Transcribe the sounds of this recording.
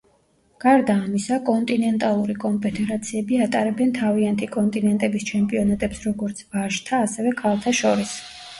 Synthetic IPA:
ɡ̥aɾd̪aːmisakʼɔnt̪ʼinɛnt̪ʼalˠuɾikʼɔmpʰɛt̪ʰʼɛɾat̪sʰiɛbiat̪ʼaɾɛbɛnt̪ʰaviant̪ʰikʼɔnt̪ʼinɛnt̪ʼɛbist͡ʃʰɛmpʼiɔnat̪ʼɛpsɾɔɡɔɾt̪sʰbaʃt̪ʰaːsɛvɛkʰalˠt̪ʰaʃɔɾis

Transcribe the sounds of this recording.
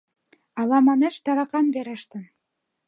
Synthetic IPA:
ɑlˠɑmɑnɘ̆ʃt̪ɑɾɑqɑnbeɾə̆ʃt̪ɤ̆n

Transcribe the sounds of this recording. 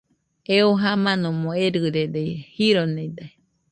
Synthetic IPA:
eoɦamãnomoeɾɨɾed̪ejhiɾoned̪a

